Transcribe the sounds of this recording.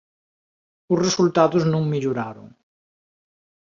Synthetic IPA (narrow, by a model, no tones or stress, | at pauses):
ʊsresult̪aðʊznũŋmiʎuɾaɾʊ̰ŋ